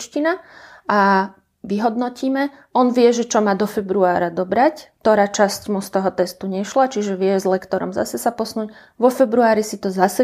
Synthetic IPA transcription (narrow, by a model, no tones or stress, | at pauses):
t͡ʃcinaa | ʋiɦɔd̪nɔciːmɛ | ɔnʋɪɛʒɛt͡ʃɔmaːd̪ɔfɛbɾuaːɾad̪ɔbɾact̪ɔɾaːt͡ʃascmust̪ɔɦɔt̪ɛst̪uɲɛʃlat͡ʃiʒɛʋɪɛzlɛkt̪ɔɾɔ̰mza̰sɛsapɔsnuːc | ʋɔfɛbɾuaːɾisit̪ɔzasɛ